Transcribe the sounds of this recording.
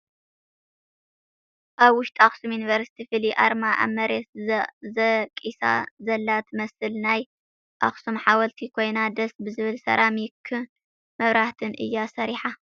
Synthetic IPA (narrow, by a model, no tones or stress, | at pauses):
ʔaβwʊʃt̪ʼaxsumjunivɐɾsi̥t̪ʰifɨliʔaɾmaʔa̰mɐɾet̪zɐkʼisa̰zɐlːat̪mɐsɨlnaj | ʔaxsumħawɐlt̪ʰikʰo̞jnad̪ɐsbɨzɨβɨlsɐ̰ɾʔamjɪkʰːɨ | mɐβɾaht̪ʰɨnʔɨ̰jːasɐɾiħa